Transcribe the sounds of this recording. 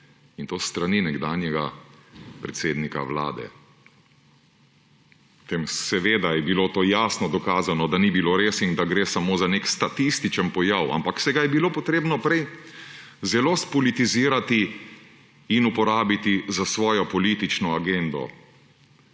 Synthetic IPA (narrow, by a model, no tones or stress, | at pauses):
int̪oːst̪ɾaninɛɡd̪aːnjɛɡa | pɾɛt̪seːd̪nika̰ʋla̰ːd̪ɛ̰ | t̪eːmsɛʋeːd̪ajɛbiloːt̪oːjaːsnɔd̪ɔkaːzanɔd̪anibiloɾeːsind̪aɡɾeːsamoːzanekst̪at̪ist̪it͡ʃənpɔjawa̰mpaksɛɡajɛbiloːpɔt̪ɾeːbnɔpɾɛj | zɛloːspɔlit̪iziːɾat̪i | nupɔɾaːbit̪izasʋɔːjɔpɔliːt̪it͡ʃnɔaɡend̪ɔ̰